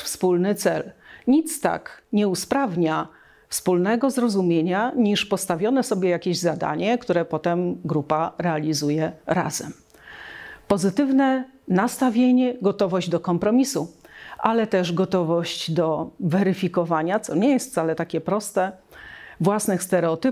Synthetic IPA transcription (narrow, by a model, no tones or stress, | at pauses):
fspulnɘt̪sɛlɲit̪st̪a̰kɲɛuspɾavɲa | fspulnɛɡɔzɾɔzumʲjeɲaɲiʂpɔst̪avʲjɔnɛsɔbʲjɛjakʲeʑzad̪a̰ɲɛkt̪uɾɛpɔt̪ɛmɡɾupaɾɛalʲizujɛɾa̰zɛ̰m | pɔzɘt̪ɘvnɛ | nast̪avʲjeɲɛɡɔt̪ɔvɔʑd͡ʑd̪ɔkɔmpɾɔmʲisuʔalɛt̪ɛʐɡɔt̪ɔvɔɕt͡ɕd̪ɔvɛɾɘfʲikɔvaɲat̪sɔɲɛjɛst̪fsalɛt̪akʲɛpɾɔst̪ɛ | vwasnɘxst̪ɛɾɛɔt̪ɘp